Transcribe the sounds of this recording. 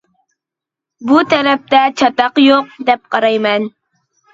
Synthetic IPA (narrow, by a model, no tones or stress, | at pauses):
but̪ʰɛɾɛp̚t̪ɛt͡ʃʰɑt̪ɑqjoq̚d̪ɛp̚qʰɑɾɑjmɛn